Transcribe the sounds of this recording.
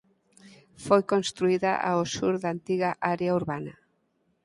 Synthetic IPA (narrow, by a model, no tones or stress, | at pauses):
fojkonst̪ɾuiðɐʔa̰osuɾðaːnt̪iɣaʔaɾeauɾβanɐ